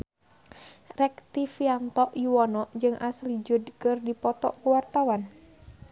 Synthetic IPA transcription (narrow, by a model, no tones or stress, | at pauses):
rɛk̚t̪ifiant̪ɔʔjuwɔnɔʔd͡ʒɨŋʔaslid͡ʒʊdkɨrdipɔt̪ɔ̰ʔkuwart̪awan